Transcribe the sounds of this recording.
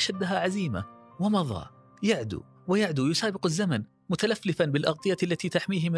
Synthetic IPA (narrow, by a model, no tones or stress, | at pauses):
ʔʃad̪ːɦaʕaziːma̰ | wɪmɑðˤɑ̰ː | jaʕd̪ṵ | wɪjaʕd̪ujʊsaːbɪqazːaman | mʊt̪alafːlɪfanbɪlʔɑɣt̪ˤɨjalːat̪it̪aħmiːɦɪmɪ